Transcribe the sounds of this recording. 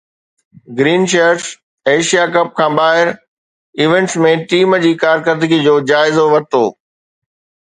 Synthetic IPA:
ɡɾiːnt͡ɕeɾs | eːʃijakɐp̚kʰãːɓaːɦɪɾ | ɪʋẽɳʈsmẽʈiːmd͡ʑiːkaːɾkəɾd̪əɡid͡ʑoːd͡ʑaːɪzoʋɐt̪o̰ː

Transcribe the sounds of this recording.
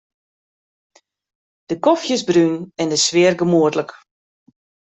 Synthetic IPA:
d̥əkɔfjəsbrynɛndəsʋɪərɡəmuətlək

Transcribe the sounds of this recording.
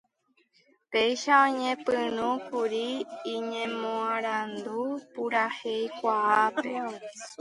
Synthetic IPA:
pejʃaõɲẽpɨ̃ñũkuɾiːɲẽmõãɾand̪upuɾahe̞jkʷaape̞̰

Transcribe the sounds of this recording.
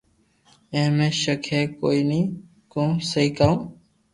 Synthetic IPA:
ẽːmẽːʃəkʰeːkoːiːnĩː | kõːsəɦiːkaːũː

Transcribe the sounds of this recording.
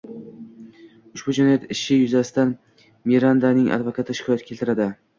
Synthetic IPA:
ʊʃbʊd͡ʒanajat̪ɪʃɪjʊzasɪ̥t̪an | miɾand̪anɪŋʔa̰d̪vakʰat̪ʰɪʃɪ̥kʰɒjat̪̚kʲʰelʲt̪ʰɪɾad̪ɪ

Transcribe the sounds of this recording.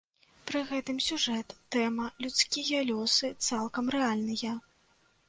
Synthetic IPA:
pɾɨɣɛt̪ɨmsʲuʐɛt̪ːɛmɐlʲut̪skʲijɐlʲɔsɨt̪salˠkɐmɾɛalʲnɨjɐ

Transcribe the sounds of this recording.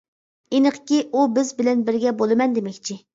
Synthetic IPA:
enəqkʲiʔubɪzbɪlɛnbɪɾɡʲɛbolˠɨmɛnd̪emɛkʲt͡ʃʰi

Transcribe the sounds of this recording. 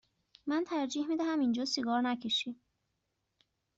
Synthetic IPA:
mænt̪ʰæɾd͡ʒiːhmid̪æɦæmind͡ʒɒːsiɡɒːɾnæcʰeʃi

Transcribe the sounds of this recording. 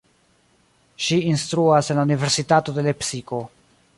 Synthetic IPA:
ʃiinstɾuase̞nlaunive̞ɾsitato̞de̞le̞psiko̞

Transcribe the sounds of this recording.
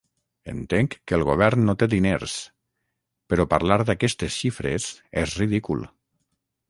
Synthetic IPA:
ə̰nt̪eŋkːəlˠɣoβ̞ɛɾnnːot̪eðineɾs | pəɾɔpaɾlaɾðakɛst̪esʃifɾḛsezriðikulˠ

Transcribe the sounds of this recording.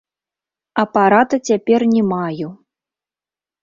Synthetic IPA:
ɐpaɾat̪ɐt͡sʲapʲɛrnʲɛmaju

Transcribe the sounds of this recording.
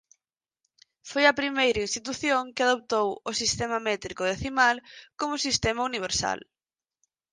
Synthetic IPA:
fojɐpɾimejɾɐinst̪it̪uθjoŋkɪaðop̚t̪owʊsist̪ɛmɐmɛt̪ɾikʊðeθimalkomʊsist̪ɛmɐuniβ̞eɾsa̰l

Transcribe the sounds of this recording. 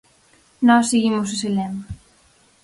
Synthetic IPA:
nɔsːeɣimos̬eselɛma

